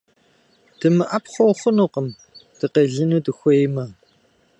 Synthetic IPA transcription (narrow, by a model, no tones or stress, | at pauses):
d̥ɨmɨʔɐpχʷɔwχʷʊnuːqəm | tɨqeːɮɨnuːdɨxʷejmɐ